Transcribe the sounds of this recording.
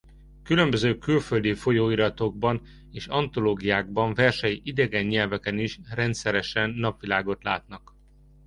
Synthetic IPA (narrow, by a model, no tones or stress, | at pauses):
kylø̞mbøzøːkylføld̪ifo̞joːiɾɒt̪o̞ɡ̚bɒn | eːʃɒnt̪o̞loːɡijaːɡ̚bɒɱvɛrʃɛjiʔid̪ɛɡɛɲːɛlvɛkɛniʃrɛnt̪sɛɾɛʃɛnːɒpʋilaːɡo̞t̪la̰ːt̪nɒk